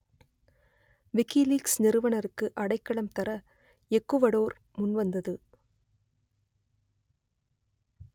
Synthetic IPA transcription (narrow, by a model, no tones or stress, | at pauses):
ʋɪkːiliːksnɪɾɯʋɐɳɐɾɯkːɯʔɐɽɐɪkːɐɭɐmt̪ɐɾɐ | ɛkːɯʋɐɽoːɾ | mʊnʋɐnd̪ɐðɯ